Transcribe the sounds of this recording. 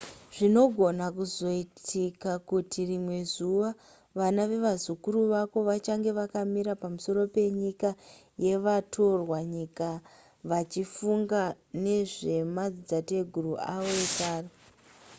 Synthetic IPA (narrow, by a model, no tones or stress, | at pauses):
ʐ̥ino̞ɡʱo̞nakuzo̞itʰikakutirimwe̞zuʋa | ʋanaʋe̞ʋazukuɾuʋako̞ʋat͡ʃaŋɡe̞ʋakamiɾapamuso̞ɾo̞pe̞ɲika | je̞ʋatʰo̞rwaɲika | ʋat͡ʃifuŋɡa | ne̞ʐe̞mad͡zid͡zate̞ɡʱuruʔaʋo̞ekaːre